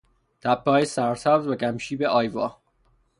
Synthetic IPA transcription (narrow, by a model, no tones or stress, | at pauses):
t̪ʰæpʰːɒːjesæɾsævzvæɡæmʃiːbeʔɒːjvɒː